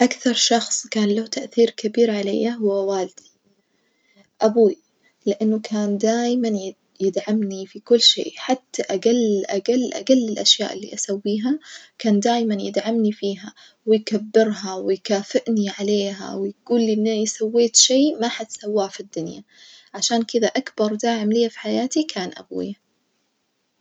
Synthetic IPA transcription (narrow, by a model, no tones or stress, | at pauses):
ʔakθɑɾˤʃɑxsˤkaːnlat̪aʔθiːɾkabiːɾʕalḛjːaɦʊwːawaːld̪̥i̥ | ʔabuː | lɪʔanːʊkʰaːnd̪aːjman | jɪd̪ʕamnifikʊlːʃḛːʔħat̪ːaʔaɡalːʔaɡalːʔa̰ɡalːɪlʔaʃja̰ːʔɪlːḭʔasawːiːɦakaːnd̪aːjmanjɪd̪ʕamnifiːɦa | wɪjkabːɪɾɦawɪjkaːfɪʔniʕaleːɦa̰wɪjɡuːlːiʔɪnːjsawːeːt̪ʃeːmaħat̪sawːaːfid̪ːʊnja | ʕaʃaːnkɪd̪aʔakbɑɾˤd̪aːʕɪmlɪːafi̥ħajaːt̪ikʰaːnʔa̰bṵːj